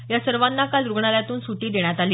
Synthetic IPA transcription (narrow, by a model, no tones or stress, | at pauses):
jasəɾʋanːakald̪ɾuɡɳaljat̪uːnsuʈiːd̪eɳjat̪aliː